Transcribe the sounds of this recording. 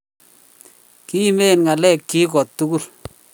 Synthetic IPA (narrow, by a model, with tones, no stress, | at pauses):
ki˦me˦˨nŋa˨lɛ˦˨kːi˦kɔ˨tːu˦ku˦l